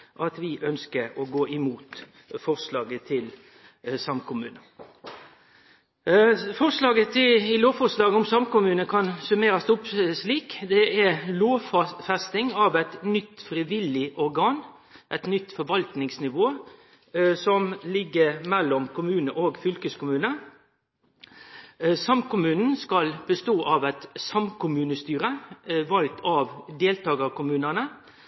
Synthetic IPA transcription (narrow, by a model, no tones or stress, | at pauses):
ʔɑt̪ʋɪʔœnskəɾɔɡoːʔɪmuːt̪ | fɔʁslɑːɡət̪ʰɪl | sɑmkʰʊmʉːnə | fɔʁslɑːɡət̪ʰɪɪloːʋfɔslɑːɡəʊmsɑmkʊmʉːnəkʰɑnsʉmeːɾɑst̪ʊpsliːkd̪ɛʔæɾloːʋfɑfɛst̪ɪŋɑʋæt̪nʏt̪ːfɾɪʋɪlɪʔɔɾɡɑːn | ʔɛɪt̪nʏt̪ːfɔɾʋɑlt̪nɪŋsnɪʋoː | sɔmlɪɡːəɾmɛlːɔmkʰʊmʉːnəʔoːɡfʏlkəskʊmʉːnə | sɑmkʊmʉːnn̩skɑlbəst̪oːʔɑʋæt̪sɑmkʰʊmʉːnəst̪yːɾəʋɑlk̚t̪ʰɑʋd̪eːlt̪ɑːɡəkʊmʉːnənə